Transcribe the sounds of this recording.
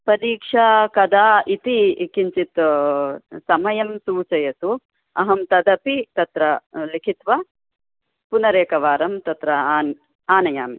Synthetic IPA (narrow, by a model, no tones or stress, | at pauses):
pɐd̪iːkʂɐkɐd̪aːit̪ikiɲt͡ʃit̪ | sɐmɐjɐmsuːt͡ʃɐjɐt̪u | ɐɦɐmt̪ɐd̪ɐpit̪ɐt̪ɾɐlikʰit̪ʋɐ | punɐɾeːkɐʋaːɾɐmt̪ɐt̪ɾɐːn | aːnɐja̰ːmi